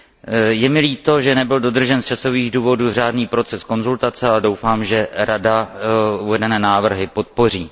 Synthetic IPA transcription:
jɛmɪliːt̪o̞ʒɛnɛbɪldo̞d̪r̩ʒɛnst͡ʃaso̞viːɣduːvo̞duːr̝aːdniːpɾo̞t͡sɛsko̞nzult̪at͡sɛalɛdowfaːmʒɛɾadauvɛdɛnɛːnaːvr̩ɦɪpo̞t̪̚po̞r̝iː

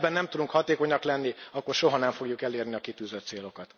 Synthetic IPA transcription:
bɛnːɛmt̪ud̪uŋkhɒt̪eːko̞ɲɒklɛnːiɒkːo̞rʃo̞ɦɒnɛɱfo̞ɡjukɛleːrniɒkit̪yːzøt̪seːlo̞kɒt̪

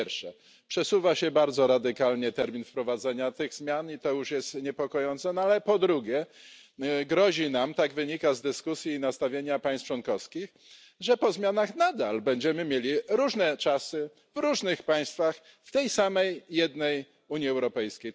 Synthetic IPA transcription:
ɛɾʂɛ | pʂɛsuvaɕɛbaɾd̪zɔɾad̪ɘkalɲɛt̪ɛɾmʲinfpɾɔvad̪zɛɲat̪ɘɣzmʲjanit̪ɔjuʂjɛst̪ɲɛpɔkɔjɔnt̪sɛnɔalɛpɔd̪ɾuɡʲjɛ | ɡɾɔʑinamt̪aɡvɘɲikazd̪ɘskusʲjiːnast̪avʲjeɲapaj̃st̪ft͡ʂwɔnkɔfskʲix | ʐɛpɔzmʲjanaxnad̪albɛɲd͡ʑɛmɘmʲjelʲiɾuʐnɛt͡ʂasɘ | vɾuʐnɘxpaj̃st̪fax | ft̪ɛjsamɛjːɛd̪nɛj | uɲjiɛwɾɔpɛjskʲej

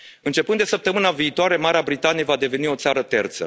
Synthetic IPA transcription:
ɨnt͡ʃe̞pɨnd̪e̞səp̚t̪əmɨnaviːt̪oaɾe̞maɾeabɾit̪anije̞vad̪e̞ve̞nio̞t̪saɾət̪e̞rt̪sə̰

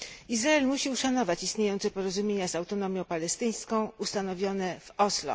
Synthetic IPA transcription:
izɾaɛlmuɕiuʂanɔvat͡ɕist̪ɲejɔnt̪sɛpɔɾɔzumʲjeɲazawt̪ɔnɔmʲjɔ̃w̃palɛst̪ɘj̃skɔ̃w̃ust̪anɔvʲjɔnɛv̥ɔslɔ̰

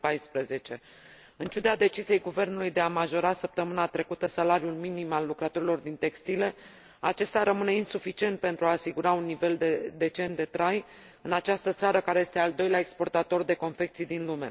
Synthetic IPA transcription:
pajspɾəze̞t͡ʃe̞ | ɨnt͡ʃud̪ad̪e̞t͡ʃizije̞jɡuve̞rnulujd̪e̞amaʒo̞ɾasəp̚t̪əmɨnat̪ɾe̞kut̪əsalaɾiulminimalːukɾət̪o̞ɾilo̞rd̪int̪e̞kst̪ile̞ | at͡ʃe̞st̪aɾəmɨne̞insufit͡ʃie̞nt̪̚pe̞nt̪ɾuaːsiɡuɾaunːive̞ld̪ed̪e̞t͡ʃe̞nt̪d̪e̞t̪ɾaj | ɨnat͡ʃast̪ət̪saɾəkaɾeje̞st̪e̞ald̪o̞jleae̞kspo̞rt̪at̪o̞rd̪e̞ko̞nfe̞k̚t̪sijd̪inlume̞̰

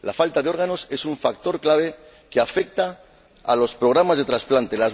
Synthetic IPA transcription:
lafalt̪aðeo̞ɾɣano̞se̞suɱfak̚t̪o̞ɾklaβ̞e̞ | keafe̞k̚t̪a̰ː | lo̞spɾo̞ɣɾamazðe̞t̪ɾasplant̪e̞laz

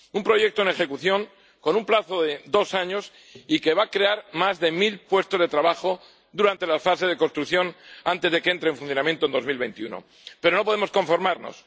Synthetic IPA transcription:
umpɾo̞ʝe̞k̚t̪oene̞xe̞kuθjo̞ŋ | ko̞numplaθo̞ðe̞ðo̞saɲos | ike̞βakɾe̞aɾmazðe̞milpwe̞st̪o̞zðe̞t̪ɾaβaxo̞ | d̪uɾant̪e̞lafase̞zðe̞ko̞nst̪ɾukθjo̞nant̪e̞zðekee̞nt̪ɾeɱfunθjonamjent̪ond̪o̞zmilβe̞jnt̪iuno̰ | pe̞ɾo̞no̞p̬oðemosko̞ɱfo̞ɾmaɾno̞̰s

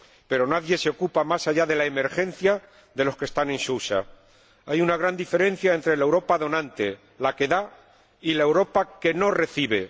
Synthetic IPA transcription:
pe̞ɾo̞naðje̞seo̞kupamasaʝaðe̞laeme̞ɾxe̞n̟θja | ðe̞lo̞ske̞st̪anẽ̞nʃuʃa̰ | ajunaɣ̞ɾand̪ife̞ɾe̞n̟θjae̞nt̪ɾe̞laewɾo̞paðo̞nãnt̪e̞ | lake̞ða | ilae̞wɾo̞pake̞no̞re̞θiβ̞e̞

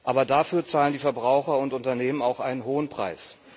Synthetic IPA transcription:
ʔaːbɐdaːfyːɐt͡saːləndiːfɛɐbʁaʊxɐʊntʊntɐneːmənaʊxʔaɪnənɦoːənpʁ̥a̰ɪs

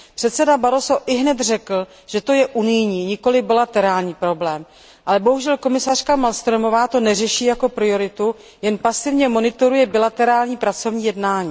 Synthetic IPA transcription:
pr̥ɛt̪sɛdabaɾo̞so̞ʔɪɦnɛt̪r̝ɛkl̩ | ʒ̥ɛt̪o̞jɛʔunɪjɲiːɲɪko̞lɪbɪlat̪ɛɾaːlɲiːpɾo̞blɛːm | ʔalɛbo̞ɦuʒɛlko̞mɪsar̝̥kamalst̪ɾomo̞vaːt̪o̞nɛrɛʃiːjako̞pɾɪo̞ɾɪt̪u | jɛnpasɪvɲɛmo̞nɪt̪o̞ɾujɛbɪlat̪ɛɾaːlɲiːpɾat͡so̞vɲiːjɛdnaːɲiː

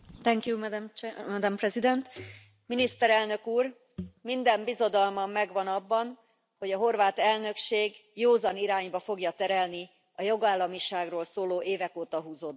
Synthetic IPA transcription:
t̪ɛŋkjumɛd̪mmɛd̪ɛmprɛzid̪ɛnt̪ | minist̪ɛɾɛlnøkuːr | mind̪ɛmbizo̞d̪ɒlmɒmːɛɡʋɒnɒbːɒn | ho̞ɟɒɦo̞rvaːt̪ɛlnø̞kʃeːɡjoːzɒniɾaːɲbɒfo̞ɡjɒt̪ɛɾɛlni | ɒjo̞ɡaːlːɒmiʃaːɡroːlsoːloːʔeːvɛkoːt̪ɒɦuːzod̪

